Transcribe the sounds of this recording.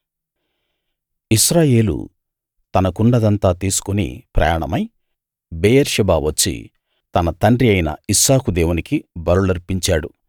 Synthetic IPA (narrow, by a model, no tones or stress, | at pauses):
iʃɾaːje̞ːlṵ | t̪ɐnɐkuɳɖɐd̪ɐnt̪aːt̪iːsu̥kunḭpɾɐ̰jaːɳɐmɐj | beːjeɾʃɐbaːʋɐt͡ʃːḭ | t̪ɐnɐt̪ɐɳɖɾiɐjnɐ̰isaːkud̪eːwunikibɐɾuɭɐɾpiɲt͡ʃaːɽu